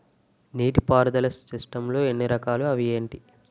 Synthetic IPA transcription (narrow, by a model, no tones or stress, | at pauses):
niːʈipaːɾɐd̪ɐlɐsːisʈɐmlo̞ːe̞nːiɾɐkaːluɐʋieːɳʈi